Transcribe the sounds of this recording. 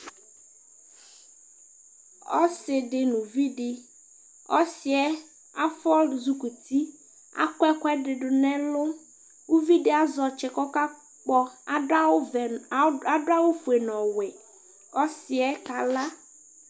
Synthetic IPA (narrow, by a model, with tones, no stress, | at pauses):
ɔ˦sɪ˨ɖɪ˨nũ˨vi˦ɖɪ˨ | ɔ˦si˨ɛ˦ | a˦fɔ˦lzu˦ku˨t̪i˦ | a̰˦˨kɔ˦ɛ˦kɛ˦ɖɪ˨ɖʊ˨nɛ̃˦lo˦ | wu˦vi˦ɖɪ˦a˨zɔ˨t͡ʃɛ˨kɔ˦ka˦ | k͡pɔ˦a˦˨a˦do˦a˦wo˦fu˨e˨nɔ̃˨wɛ˨ | ɔ˦si˨ɛ˦ka˨la˦